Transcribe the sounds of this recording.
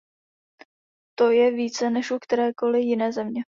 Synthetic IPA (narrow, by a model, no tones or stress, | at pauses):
t̪o̞jɛviːt͡sɛnɛʃʔukt̪ɛɾɛːko̞lɪjɪnɛːzɛmɲɛ